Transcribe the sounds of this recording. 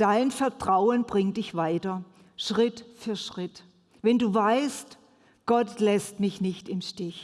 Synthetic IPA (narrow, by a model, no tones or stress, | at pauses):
d̥aɪnfɛɐtʁ̥aʊənbʁɪŋdɪçv̥aɪtɐ | ʃʁ̥ɪtfyɐʃʁ̥ɪt | vɛnduːvaɪst | ɡ̥ɔtlɛstmɪçnɪçtɪmʃtɪç